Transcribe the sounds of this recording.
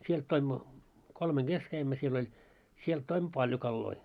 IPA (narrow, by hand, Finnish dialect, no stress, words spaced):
sielt toimːo kolmeŋ ɡ̊es kæimːø siel olʲ sielt toimːo pɑlʲjo kɑlːoi